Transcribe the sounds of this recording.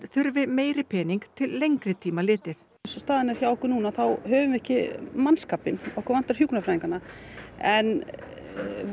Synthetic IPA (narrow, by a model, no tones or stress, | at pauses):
θʏɾvɪmeːjɾɪpʰɛːniŋkt̪ʰɪlːejŋkɾɪt̪ʰiːmalɪːt̪ɪθ | sʏst̪aːðɪnaɾ̥çawɔhkʏɾnuːnaθawɦœːvʏmɛhcɪmanskaːpɪnɔwhkʏɾvant̪aɾ̥juknafɾaːiŋkanːaɛn